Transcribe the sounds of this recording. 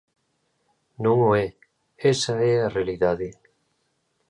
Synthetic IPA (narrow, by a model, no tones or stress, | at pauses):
nũŋoɛ | esaɛarealiðaðe